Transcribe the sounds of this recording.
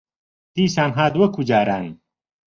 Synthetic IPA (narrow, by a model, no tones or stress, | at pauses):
d̪̥iːsaːnɦaːd̪wɐkʰud͡ʒaːɾaːn